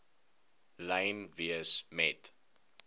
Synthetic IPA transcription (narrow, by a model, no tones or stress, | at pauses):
lɛjnviəsmɛt